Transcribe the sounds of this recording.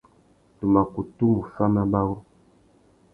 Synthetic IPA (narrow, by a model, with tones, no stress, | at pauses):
tu˨ma˨ku˨tu˦mu˨fa˦ma˦ba˦wɔ˦